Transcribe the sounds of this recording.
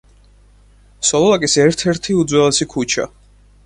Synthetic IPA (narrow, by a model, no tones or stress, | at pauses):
sɔlˠɔlakʼisɛɾt̪ʰɛɾt̪ʰiud̪zwɛlɛsikʰut͡ʃʰa̰